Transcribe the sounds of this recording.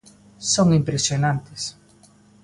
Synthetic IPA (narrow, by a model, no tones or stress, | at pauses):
soŋimpɾesjonãnt̪ɪs